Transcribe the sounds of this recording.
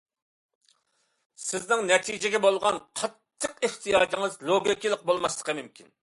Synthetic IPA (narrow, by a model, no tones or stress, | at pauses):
sɪznɪŋnɛt̪ʰid͡ʒɪɡʲɛbolˠʁɑnqʰɑt̪ʰːəqeht̪ʰijɑːd͡ʒ̪ɪŋɨzlˠoɡʲikʲilˠɪq̚bolˠmɑslˠə̥qəmymkʲʰin